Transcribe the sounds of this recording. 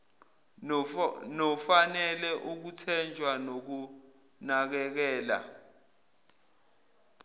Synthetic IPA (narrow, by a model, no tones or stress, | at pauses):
nɔfanɛlɛʔuk̬utʰɛnd͡ʒʱwanok̬u | nak̬ɛk̬ɛːla̰